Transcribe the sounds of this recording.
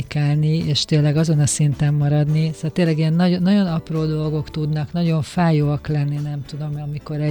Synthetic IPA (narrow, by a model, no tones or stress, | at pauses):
ikaːlnieːʃt̪eːlːɛɡɒzo̞nɒsint̪ɛmːɒɾɒd̪nisoɛlt̪eːlːɛɡiɛnːɒɟonːɒɟo̞nɒproːd̪o̞lɡo̞kt̪ud̪nɒknɒɟo̞ɱfaːjoːɒklɛnːinɛmt̪ud̪o̞mɒmiko̞ɾɛ